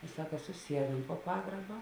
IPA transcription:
ɪ ˈsɑːkɐ sʊˈsʲiɛduɔm poː ˈpɑːɡrɐbɐ

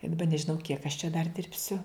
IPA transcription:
ɪ dɐˈbɐ nʲɛʒʲɪˈnɐʊ kʲiɛk ɐʃ t͡ʃʲɛ dɐr ˈdʲɪrʲpʲsʲʊ

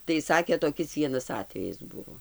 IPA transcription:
tɐɪ ˈsɑːkʲeː toːˈkʲɪs ˈʋʲiɛnɐs ˈɑːtʲʋʲɛjɪs ˈbʊʋoː

